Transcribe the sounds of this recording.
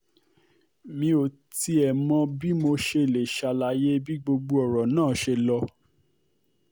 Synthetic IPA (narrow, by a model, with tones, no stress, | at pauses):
mĩ˧o˨ | ti˧ɛ˨mɔ̃˧bi˦mo˧ʃe˧˨le˨ʃa˧la˧˦je˦bi˦ɡ͡bo˧ɡ͡bo˦ɔ˨ɾɔ˨nãː˦˨ʃe˧lɔ˧